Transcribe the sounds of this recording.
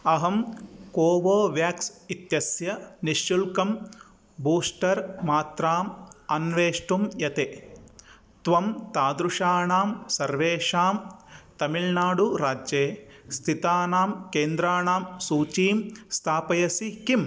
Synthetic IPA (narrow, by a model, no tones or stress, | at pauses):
ɐɦɐmkoːʋoːʋjaːksit̪jɐsjɐniʃjulkɐm | buːʂʈɐɾmaːt̪ɾaːmɐnʋeːʂʈumjɐt̪e | t̪ʋɐmt̪aːd̪ɾuʂaːɳaːmsɐɾʋeːʂaːmt̪ɐmilnaːɽuɾaːd͡ʒjeːst̪ʰit̪aːnaːmkeːnd̪ɾaːɳaːmsuːt͡ʃiːmst̪ʰaːpɐjɐsikim